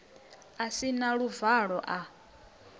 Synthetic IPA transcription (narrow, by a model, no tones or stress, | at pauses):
asinaɺuvaɺɔʔa